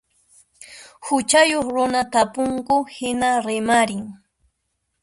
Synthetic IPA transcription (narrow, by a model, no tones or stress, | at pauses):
hʊt͡ʃajoχɾʊnat̪apʊŋkʊhɪnaɾɪmaɾɪŋ